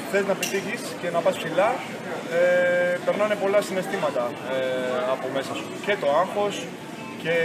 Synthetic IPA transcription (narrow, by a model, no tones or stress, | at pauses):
xθe̞znɐpet̪içisce̞nɐpɐspsilɐ | epe̞ɾnɐne̞po̞lɐsine̞st̪imɐt̪ɐ | ɐpo̞me̞sɐsu̥ce̞t̪o̞ɐŋxo̞s | ce̞